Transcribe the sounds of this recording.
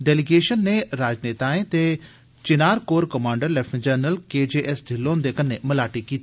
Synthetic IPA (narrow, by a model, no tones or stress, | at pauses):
ɖɛːlɪɡeːʃənːeːɾaːd͡ʒneːt̪aːẽːt̪eː | t͡ʃɪnaːɾkoːɾkəmãːɳɖəɾlɛpʰːd͡ʒəɾnəlkeːd͡ʒeːʔɛsɖʱɪlːõːnd̪eːkənːeːməlaːʈiːkiːt̪i